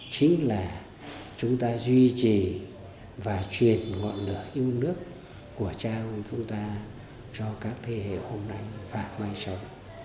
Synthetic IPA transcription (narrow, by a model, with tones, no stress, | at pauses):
t͡ɕï˨˦ŋ̟laː˨˩ | t͡ɕʊ˨˦ŋ͡mt̪aː˧zwi˧t͡ɕi˨˩ | vaː˨˩t͡ɕwi˨˩ənŋɔ̰˧˨nlɨ̰˧˩əʔi˧əwnɨ˦˥ək̚ː | u˧˩ət͡ɕaː˧t͡ɕʊ˨˦ŋ͡mt̪aː˧ | t͡ɕɔ˧kaː˦˥k̚t̪ʰe˧ɦḛ˧˨ho˧mna˧jvaː˨˩maː˧jsa˧w